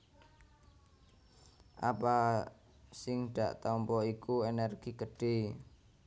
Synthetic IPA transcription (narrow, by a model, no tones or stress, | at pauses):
ʔapa | sɪŋɖ̪̥a̤̰ʔt̪ɔmpɔikuenɛrɡ̥iɡəɖ̥e̤